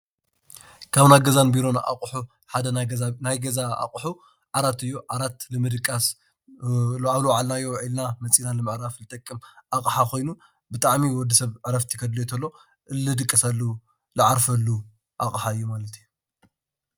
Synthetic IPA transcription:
kʰaβnajɡɐzanbiɾo̞nʔa̰kʼħu | ħad̪ɐnajɡɐzaa̰qʼħu | ʕaɾat̪ɨjːoʕaɾat̪lɨmɨd̪ɨkʼːas | aβluwʕalnaɨjːoʕilnamɐt͡sʼinalɨmɨʕɾaflɨt̪ʼɐkʼːɨmʔakʼħakʰo̞jnu | bɨt̪ʼaʕmiwɔd̪ːɐsɐβʕɨɾɐft̪ʰi̥kʰɐd̪let̪ʰɐlːo | ʔɨlːɨd̪ɨkʼːɐsɐlːu | lɨʕaɾfɐlːu | ʔakʼħaɨjːumalɐt̪ʰiju

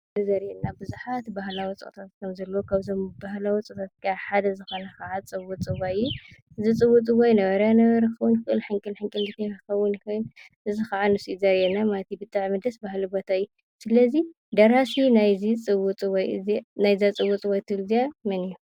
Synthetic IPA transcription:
zɨzɐɾjɛnabɨzuħat̪bahlawit͡sʼɨ̰kʼt̪ʰat̪̚kʰɐmzɐlːɐwokʰaβzombahlawit͡sʼɨkt̪ʰat̪̚kʰaħad̪ɐzɨxonɐxaʕat͡sʼɨβut͡sʼɨβajːu | ʔɨzit͡sʼɨβut͡sʼɨβajnɐβɐɾjanɐβɐɾɐxɐβʊnxɨʔɨlħɨŋkʼɨlħɨŋkʼɨlzɨt̪ʰːɐjɾɨxɐwʊnxɐn | ʔɨzɨxɐʕanɨsizɐɾjɛnamalɐt̪ʰibɨt̪ʼaʕmɨd̪ɐsbahlibot̪ʰaju | sɨlɐzi | d̪ɐɾasinajzit͡sʼɨβut͡sʼɨβajɨznajzat͡sʼɨβut͡sʼɨβajt̪ʰɨlzijamɐniju

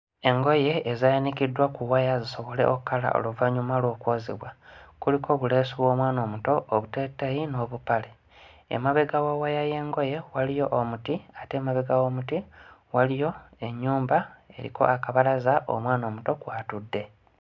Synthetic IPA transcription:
e̞ŋɡo̞je̞ːzajanikidːwakuwajaziso̞βo̞le̞̰ʔokkːala̰ʔo̞̰luvaɲumalwo̞ːkwoːziβwakuliko̞ːβule̞ːsuβwo̞ːmwaːno̞ːmuto̞ʔːβutetːajino̞ːβupale | ḛmaβeɡawawajaje̞ːŋɡo̞je̞walijo̞ʔːmutiate̞ːmaβeɡawomutiwalijo̞e̞ɲːuːmbae̞̰ɾḭkʰo̞̰ʔakaβalazaʔo̰mwaːno̞ːmuto̞kwaːtudːe̞

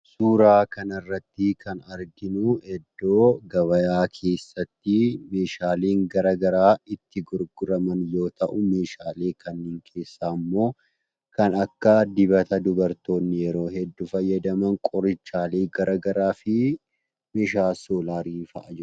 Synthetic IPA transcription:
suːɾaːkɐnɐrːɐt̪ːɪkʰɐnɐɾɡɪnʊɛd̪ːo̞ːɡɐβɐjaːkʰe̞ːsːɐt̪ːɪme̞ːʃaːleːŋɡɐɾɐɡɐɾaːɪt̪ːɪɡʊɾɡʊɾɐmɐnjo̞ːt̪ɐʔʊme̞ːʃaːle̞ːkʰɐnːeːŋkʰe̞ːsːaːmːo̞ː | kɐnɐkːɐd̪ɪbɐt̪ɐd̪ʊbɐɾt̪o̞ːnːɪjɛɾo̞ːhɛd̪ːʊfɐjːɐd̪ɐmɐŋkʼɔɾɪt͡ʃːaːleːɡɐɾʔɐɡɐɾaːfɪ | meːʃaːsoːlaːɾiːfɐʔɐd͡ʒɛɾʊ

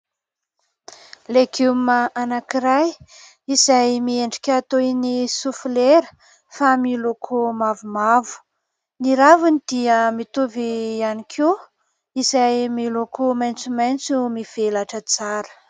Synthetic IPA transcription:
leɡuməʔanakiɾaj | izajmieɳɖ͡ʐi̥kʲat̪ojnisufileɾə | familokʰomavumavu̥ | niɾavunid̪iəmit̪uvianikʰi | izajmilokomajnt͡sumajnt͡sumiv̥elaʈ͡ʂət͡saɾə̥

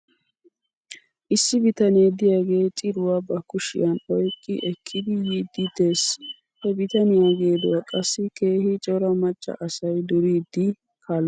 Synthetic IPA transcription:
ʔɪsːɪbɪt̪ɐneːd̪ɪjaɡe̞ːt͡ʃʼɪɾʊwɐbɐkːʊʃɪ̰jɐnɔjkʼːɪʔɛkʰːɪd̪ɪjiːd̪ːɪd̪eːs | hɛbɪt̪ɐnɪjaɡe̞ːd̪ɔwɐkʼɐsːɪke̞ːhɪt͡ʃʼɔɾɐmɐt͡ʃʼːɐ̰ʔɐsɐjd̪ʊɾiːd̪ːɪ | kʰaːl

